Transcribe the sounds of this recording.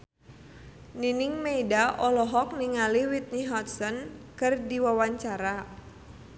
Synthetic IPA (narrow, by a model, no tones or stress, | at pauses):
ninɪŋmeidaʔɔlɔɦɔk̚niŋaliwit̪̚niɦɔt̪̚sɔnkɨrdiwawaɲt͡ʃaɾa